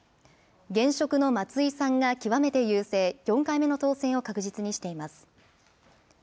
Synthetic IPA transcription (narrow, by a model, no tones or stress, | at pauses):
ɡẽ̞ɰ̃ɕo̞kɯ̟no̞mat͡sɨisãŋɡakʲiβame̞t̪e̞jɯːse̞ːjõ̞ŋkaime̞no̞t̪o̞ːsẽ̞ɰ̃o̞kakɯ̟ʑit͡sɨɲ̟iɕi̥t̪e̞imasɨ̥